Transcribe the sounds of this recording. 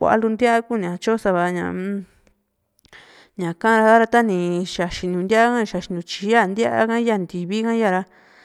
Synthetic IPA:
kʷa̰˧ʔa̰˧lu˧nd̪ja˦ʔa˦ku˦˨nĩ˨ã˧t͡ʃo˦sa˧βa˧ɲã̰˨˧ | ɲã˨kã˦˧ɾa˧ða˦ɾa˧t̪a˦nĩ˧ʃa˨ʃi˧ɲũ˧nd̪ja˦ʔa˦kã˦ĩ˧ʃa˧ʃi˧nũ˧t͡ʃi˧˦a˦˨nd̪ja˦ʔa̰˦kã˦ja˧˨nd̪i˨βi˦kã˦ja˦˨ɾa˧

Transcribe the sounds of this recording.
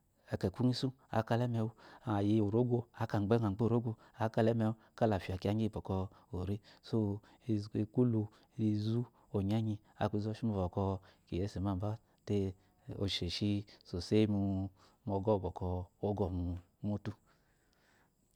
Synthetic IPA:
ɛ˨kɛ˨ku˦ŋi˦su˦ | a̰˨ka˧lɛ˦mɛ˧u˦a˨ji˧o˨ɾo˦ɡʷo˧a˨ka˨ɡ͡be˦ŋa˨ɡ͡be˦˨ɾo˦ɡʷo˧ | a˨ka˧lɛ˦mɛ˧u˦ka˦la˨fi˨a˨ki˦a˧˨ɲ˦i˦˨bɔ˨kɔ˧ | o˨ɾi˦so˦˨ | e˧ku˦lu˧˦ | i˧zu˦ | o˨ɲa˦ɲi˧ | a̰˨ku˧zɔ˧˦ʃi˦mo˧vɔ˨kɔ˧ki˨je˦se˨ma˦˨ba˦ | te˧ | o̰˨ʃe˨ʃi˧so˨se˦mu˧ | mɔ˧ɡɔ˦˨bɔ˨kɔ˧o˦ɡɔ˨mu˨˧ | mu˧tu˧

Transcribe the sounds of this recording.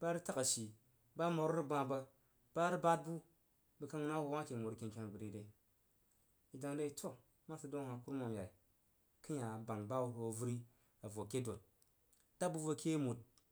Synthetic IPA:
ba˦ɾi˦ta˦ka˨ʃi˨ | ba˦mo˨ɾɾi˦ɡ͡ba˧bə˧ | ba˦ɾi˦ba˦t̚bu˦ | bə˨ka˦ŋ˦na˦wo˨wa˦kʲe˨mo˨ɾke˨kʲa˦n˨bɨ˨ɾe˨de˨ | i˨da˨ŋɾe˦i˦tʰo˦ | ma˦si˦do˦ŋ˦ha˨ku˦ɾmo˨mja˨i˨ | ki˦ja˨ba˨ŋba˦wu˦˨ɾo˨˦˨vu˦ɾi˦ | a˨vo˨ke˦do˨t̚ | d̥a˦bu˦vo˧ke˦mu˨t̚

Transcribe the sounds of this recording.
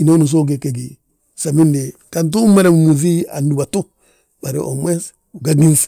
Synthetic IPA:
i˨no˦nu˨s̬o˦ɡ̬e˨ke˨ɡi˨ | sa˨mi˦nde˨kant̬u˦ma˦ɾe˦mmu˨zi˦a̰ndu˨wa˨tu˦ | ba˨ɾḛʔo̰˨me˦s | u˨ɡaɡi˦ns

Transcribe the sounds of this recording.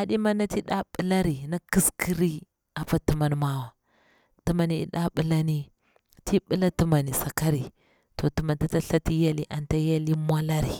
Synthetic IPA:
a˨ɗi˦ma˦nːa˦ti˦ɗa˦ɓə˦la˦ɾi˨na˦ki˦ski˦ɾi˦ | a˨pa˦tu˨ma˨nma˦wa˨ | ti˦ma˨ni˨ḭ˨ɗa˦ɓə˦la˦ni˦ | ti˦ɓi˦la˦ti˦ma˨ni˨sa˨ka˦ɾi˨ | to˨tu˨ma˨nta˦ta˦ɬa˦ti˦ja˦li˦ʔa˨nta˦ja˦li˦mʷ˦a˦la˦ɾi˨

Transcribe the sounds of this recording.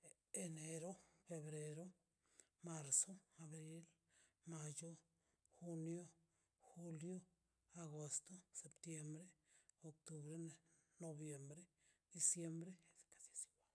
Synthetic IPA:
e˧ne˧ɾo˦fe˧βɾe˧ɾo˦ | ma˧ɾso˦a˨βɾi˦l | ma˧jo˦ | xu˧njo˦ | xu˧ljo˦ | a˧ɣo˨st̪o˦se˨pt̪je˧mbɾe˦o˧k̚t̪u˧βɾe˦neno˧bje˨mbɾe˦ | d̪i˧sje˧mbɾe˦ese̥ka˨se˨sjo˨ba˨

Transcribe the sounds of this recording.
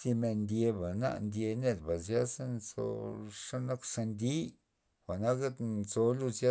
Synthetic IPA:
si˧me˧nd̪ʲje˧ba˨na̰˦˧ʔnd̪ʲje˧ne˦˧d̪ba˨zja˦sa˦nzo̰˧ʂa˦na˦ksa˧nd̪i˦ | xʷa˨na˦ka˦t̪nzo˧lu˦˧za˦

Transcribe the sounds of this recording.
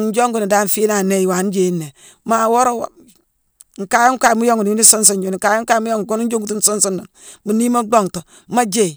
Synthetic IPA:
n˦d͡ʒo˦ŋɡu˨ni˨da˦ɱ˨fi˦na˨ne˦˨wa˨˦n˦d͡ʒe˨˦nːe˨ | ma˨wɔ˦ɾo˦wa̰˨ | ŋ̩˨ka˨jɔ˦ŋ˦ka˨mu˦jo˦ŋɡu˨ni˨u˦ni˦sɔ˦ns̬ɔ˨nd͡ʒu˨n˨ŋ̩˨ka˨jɔ˦ŋ˦ka˦mu˦jo˦ŋɡɡu˦n˦n˦d͡ʒo˦ŋɡu˦tu˦n˦sɔ˦nso˦nːɔ˨n | mu˨ni˦ma˦ɡ͡bo˨ŋtɔ˨˦ma˦d͡ʒe˨

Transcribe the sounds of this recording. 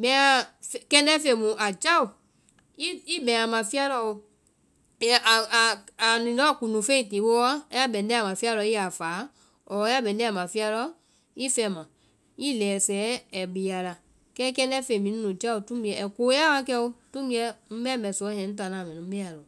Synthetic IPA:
bɛ̃˨˦ã˧fkɛ̃˧n˦ɛ˦fe˧˨mũ˨ʔa˨d͡ʒa˦u˨ | i˦i˦bɛ̃˨a˨mã˨fi˦a˦lɔ˧˨o˧˨ | a˨nĩ˨lɔ˦˨ku˨nũ˨fe˦ĩ˨ti˨˦wo˦ɔ˦ja˦bɛ̃˨ndɛ̃˦a˨mã˨fi˦a˧lɔ˧˦i˦a˨faː˨˦ | ɔ˨˦ja˦bɛ̃˨n˦ɛ̃˦a˨mã˨fi˦a˧lɔ˦ | i˦fɛ˧˨mã˨ | i˦lɛː˨sɛ˨˦ɛ˨ɡ͡bi˨ja˨la˨ | kɛ˦kɛ̃˧˦ndɛ˦fe˧˨mĩ˨˦ũ˦nũ˨d͡ʒa˦u˨tũ˦bi˧ɛ˨ɛ˨ko˨˦a˦wa˧˦kɛ˧o˧tũ˦bi˦ɛ˧˦m̩˦bɛ̃˦mɛ˨sɔ˨˦hɛ̃˨n̩˦ta˨nã˨mɛ̃˨nũ˨m̩˦bɛ˦a˨lɔ˨

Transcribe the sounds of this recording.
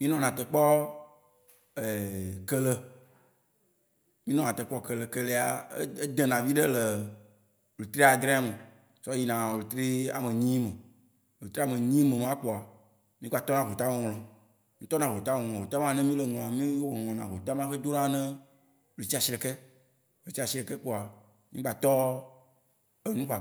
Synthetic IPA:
mĩ˦nɔ̃˨nã˨t̪ə˨k͡pɔ˦ | e˨kɛ˦lə˦ | mĩ˦nɔ̃˦nã˨ə˨k͡pɔ˦kə˨lə˨kə˦le˦a˨˦e˦d̪ẽ˨nã˨vi˦ɖe˦lə˨ | o˨le˨t̪ɾi˦a˨d̪ɾɛ̃˦a˦mə˨ | sɔ˦ji˦nã˨o˨le˨t̪ɾi˦a˨mẽ˨ɲĩ˦mə̃˨ | o˨le˨t̪ɾi˦a˨mẽ˨ɲĩ˦mẽ˨mã˦k͡po˨a˨ | mĩ˦ɡ͡ba˨t̪ɔ˦nã˨ɦo˨t̪a˦wo˦ŋ̃˨lɔ̃˨ | mĩ˦t̪ɔ˦nã˨ɦo˨t̪a˦wŋ̃˨ɔ̃˨o˨t̪a˦mã˦˨nɛ̃˦mĩ˦lɛ˨ŋɔ̃˨a˨mĩ˦wɔ˨ŋɔ̃˨nã˨ɦo˨t̪a˦mã˦xe˦d̪o˦nã˦nɛ̃˦ | o˨le˨t͡ɕi˦a˨si˨ɾɛ˨kɛ˦ | o˨le˨t͡ɕi˦a˨ɕi˨˦ɾɛ˨kɛ˦k͡po˨a˨ | mĩ˦ɡ͡ba˨t̪ɔ˦ | e˨nũ˦ɸa˨

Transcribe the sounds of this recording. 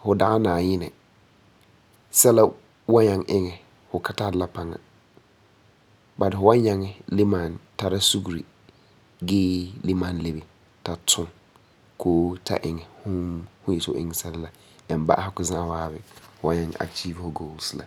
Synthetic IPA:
hʊ˨da˨ɣa˦naː˨ɲɪ˦nɛ˨ | sɛ˦la˦ | wa˦ɲa˨ŋʔɪ˦ŋɛ˨ | hʊ˨ka˨ta˦ɾla˦pa˨ŋa̰˨ | ba˨dɪ˨fʊ˨wa˦ɲa˨ŋɛ˦lɪ˦ma˨nta˨ɾa˦su˦ɡu˨ɾḭ˨ | ɡɪː˦lɪ˦ma˨nle˨be˨ | ta˨tʰʊ˦ŋ | kʰoː˦tʰa̰˨ʔɪ˨ŋɛ˨hʊ˦hʊ̃˦jɛ˨tɪ̰˦ŋɛ˨sɛ˦lɪ˦la˨ | ɛ˨mba̰˦ʔa˦a˦kʊ˨zã˦˨waː˦bɪ˦˨hʊ˨wa˦ɲa˨ŋ˨a̰˨kt͡ʃi˦vhʊ˨ɡo˦lsla̰˨

